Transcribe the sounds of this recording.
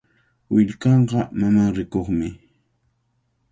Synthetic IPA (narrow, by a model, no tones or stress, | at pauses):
wɪʎkɑɴɢɑmamaɾɪkoχmɪ